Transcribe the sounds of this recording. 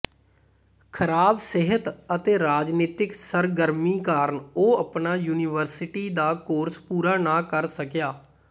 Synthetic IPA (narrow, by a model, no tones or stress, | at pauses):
kʰəɾaːbsɪɦət̪ət̪eːɾaːd͡ʒniːt̪ɪksəɾɡəɾmiːkaːɾəɳoːəpnaːjuːnɪʋəɾsɪʈiːd̪aːkoːɾspuːɾaːnãːkəɾsəkjaː